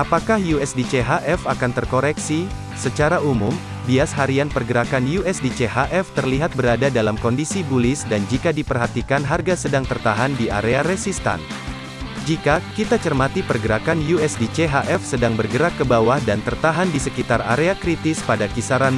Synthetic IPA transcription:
ʔapakahjuɛsdit͡ʃeɦaʔɛfakant̪ərkoɾɛksi | sət͡ʃaɾaumum | biasɦaɾianpərɡəɾakanjuɛsdit͡ʃeɦaʔɛft̪ərliɦat̪̚bəɾadadalamkɔndisibulɪsdand͡ʒikadipərɦat̪ikanɦarɡasədaŋt̪ərt̪aɦandia̰ɾeaɾɛsist̪a̰n | d͡ʒikakit̪at͡ʃərmat̪ipərɡəɾakanjuɛsdit͡ʃeɦaʔɛfsədaŋbərɡəɾakːəbawahdant̪ərt̪aɦandisəkit̪ara̰ɾeakɾit̪ɪspadakisaɾan

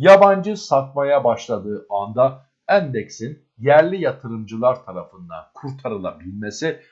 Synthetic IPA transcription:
jaband͡ʒɯsat̪̚majabaʃlˠad̪ɯːand̪a | ænd̪eksin | jæɾlʲijat̪ʰɯɾɯmd͡ʒɯlˠaɾt̪ʰaɾafɯnd̪a̰nkʰuɾt̪ʰaɾɯlˠa̰bilʲmesi

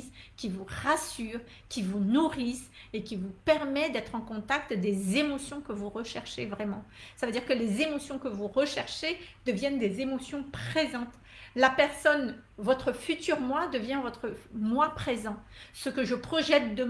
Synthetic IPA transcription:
skʲivuʁasyʁ | kʲivunuʁisekʲivupɛʁmɛd̪ɛt̪χɑ̃kɔ̃t̪ak̚t̪d̪ezemɔsjɔ̃kəvuʁəʃɛʁʃevʁɛmɑ̃savød̪iʁkəlezemɔsjɔ̃kəvuʁəʃɛʁʃed̪əvjɛnd̪ezemɔsjɔ̃pχezɑ̃t̪ | lapɛʁsɔn | vɔt̪χəfyt̪yʁmwad̪əvjɛ̃vɔt̪χəmwapχezɑ̃səkəʒəpχɔʒɛt̪̚d̪ə

